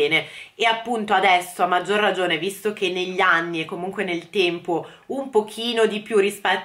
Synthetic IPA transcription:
eːneeapːunt̪oad̪ɛsːoamːad͡ʒːorːad͡ʒoːnevist̪ok̟enːeʎːanːiekːomuŋkwenelt̪ɛmpo | umpok̟ʰiːnod̪ipjurispɛt̪ː

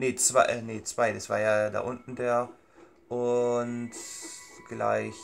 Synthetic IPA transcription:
neːt͡sv̥aɪneːt͡sv̥aɪdasv̥a̰ːɐjaːda̰ːʔʊntn̩deːɐ | ʔʊnt | ɡ̥la̰ɪç

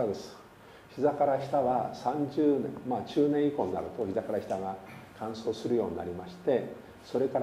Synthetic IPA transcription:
ad̪esɨ̥ | çizakaɾaçʲi̥t̪aβasãɲd͡ʑɨːnḛ̃maːt͡ɕɨːnẽɰ̃ikõ̞ɲːa̰ɾɯ̟t̪o̞çizakaɾaçi̥t̪aɡakʰãɰ̃so̞ːsɨɾɯ̟jo̞ːɲina̰ɾʲimaɕi̥t̪e̞ | so̞ɾe̞kaɾ

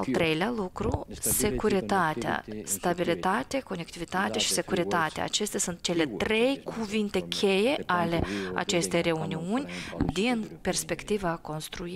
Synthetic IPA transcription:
alt̪ɾejlealukɾuse̞kuɾit̪at̪a̰st̪abilit̪at̪ʲeko̞nekt̪ivit̪at̪ʲaʃi̥se̞kuɾit̪at̪ʲḛa̰t͡ʃest̪asunt̪̚t͡ʃele̞t̪ɾʲejkʰuvint̪ʲe̞kʲʰejealʲea̰t͡ʃe̞st̪eɾe̞uniunʲd̪inpʲerspe̞kt̪ivako̞nst̪ɾui

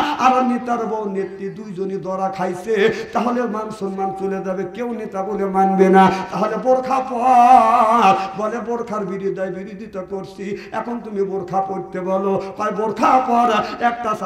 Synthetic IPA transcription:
aɾɔnit̪aɾbɔwnet̪ːid̪ujd͡ʒonid̪ɔɾakʰajset̪aɦolemanusɔnmant͡ʃoled͡ʒabekewnit̪abolemanbenat̪aɦolebɔɾkʰapɔ | ɾbɔlebɔɾkʰaɾbiɾid̪ajbiɾid̪ʱit̪ɔkoɾsʰiɛ̰kʰont̪umiboɾkʰapoɾt̪ebɔlopajboɾkʰapɔɾɛk̚ʈas

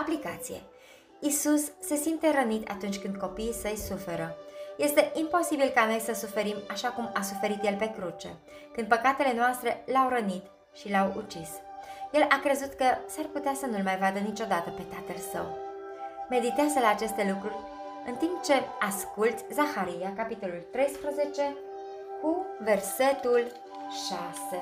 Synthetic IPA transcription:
aplikat̪sije̞̰ | isusːe̞simt̪e̞ɾənit̪a̰t̪unt͡ʃʲkɨnd̪̚ko̞piːsəjsufe̞ɾəje̞st̪e̞ʔimpo̞sibilkano̞jsəsufe̞ɾimaʃakumasufe̞ɾit̪je̞lpe̞kɾut͡ʃe̞̰ | kɨnd̪̚pəkat̪e̞le̞noast̪ɾe̞lawɾənit̪ | ʃilawṵt͡ʃisje̞lʔakɾe̞zut̪kəsarput̪easənulmajvad̪ənit͡ʃo̞d̪at̪əpe̞t̪at̪əlsə̰w | me̞d̪it̪ezəlaːt͡ʃe̞st̪e̞lukɾurʲ | ɨnt̪imp̚t͡ʃe̞askult̪sʲzaxaɾijakapit̪o̞lult̪ɾe̞jspɾəze̞t͡ʃe̞ | kuve̞rse̞t̪ul | ʃase

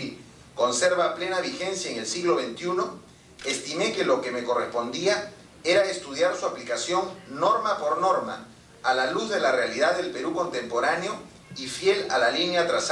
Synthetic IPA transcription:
ko̞nse̞ɾβaple̞naβ̞ixe̞nsjaeŋe̞lsiɣlo̞βent̪juno̞ | est̪ime̞ke̞lo̞ke̞me̞ko̞respo̞nd̪ia | e̞ɾaest̪uð̞jaɾsuaplikasjo̞ŋːo̞ɾmapo̞ɾno̞ɾma̰ː | laluzðe̞larealið̞aððelpe̞ɾuko̞nt̪e̞mpo̞ɾaneo̞ | ifje̞la̰lalinjat̪ɾas

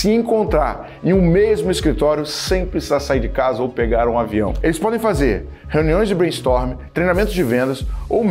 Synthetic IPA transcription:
sɪẽŋkõnt̪ɾaɾ | ẽj̃ũmezmʊiskɾit̪ɔɾjʊsẽj̃pɾisizasaiɾd͡ʒɪkazɐowpeɡaɾũaviɐ̰̃w̃elɪspɔd̪ẽj̃fazeɾ | heũniõj̃zd͡ʒɪbɾẽst̪ɔɾmɪt̪ɾejnamẽnt̪ʊzd͡ʒɪvẽnd̪ɐsow

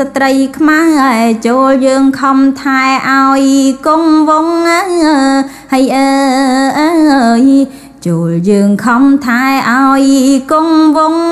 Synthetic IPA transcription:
sat̪rəjkʰmahʔət͡ɕoːljəːŋkʰɑmt̪ʰaɛʔaɔjkoŋʋoŋəə | həjʔəːʔəəj | t͡ɕoːljəːŋkʰɑmt̪ʰaɛʔaɔjkoŋʋʊŋ

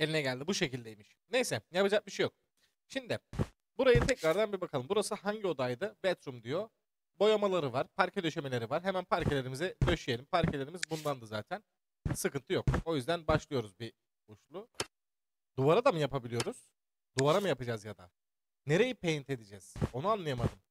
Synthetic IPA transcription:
e̞lʲinɛɟælʲd̪ibuʃe̞cilʲd̪ejmiʃ | nejsɛjapad͡ʒak̚biʃejo̞k̚ | ʃimd̪ɪ | buɾajɯt̪ʰɛcɾaɾd̪anbibakʰalˠɯmbuɾasɯɦaɲɟio̞d̪ajd̪ɯbɛt̪ɾumd̪ijo̞ | bo̞jamalˠaɾɯvaɾ̥pʰaɾcʰɛd̪ø̞ʃe̞me̞lʲe̞ɾivaɾɦe̞mænpʰaɾcʰelʲe̞ɾimizɛd̪ø̞ʃyje̞lʲimpʰaɾcʰelʲe̞ɾimizbund̪and̪ɯza̰ːt̪ʰæn | sɯkɯnt̪ʰɯjoko̞jyzd̪ænbaʃlˠɯjo̞ɾuzbi | uʃlˠu | d̪uvaɾad̪amɯjapʰabilʲijo̞ɾuz̥ | d̪uvaɾamɯjapɯd͡ʒazjad̪a̰ | ne̞ɾe̞jipʰejint̪ʰe̞d̪id͡ʒɛz̥o̞nuanlˠɯjamad̪ɯm

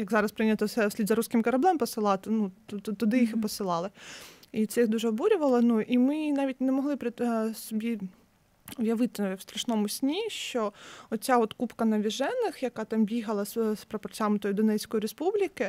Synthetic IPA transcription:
jɐɡzɑɾɐspɾɪnʲɐt̪ɔsɛsʲlʲid̪zɐɾusʲkɪmkɐɾɐblˠɛmpɔsɪlˠɑt̪ɪnut̪t̪ɔd̪ɪjixɪpɔsɪlˠɑlˠɪit̪sɛjixd̪uʒɛɔbuɾʲʊʋɐlˠɐnuʔimɪnɑʋʲitʲnɛmɔɦlˠɪpɾɪsɔbʲi | ɔʋjɐʋɪt̪ɪwst̪ɾɐʃnɔmʊsʲnʲiʃt͡ʃɔɔt̪t͡sʲaɔt̪kupkɐnɐʋʲiʒɛnːɪxjɐkɑt̪ɑmbʲiɦɐlˠɐsspɾɐpɔrt͡sʲamɪt̪ɔjid̪ɔnɛt͡sʲkɔjiɾespublʲikɪ

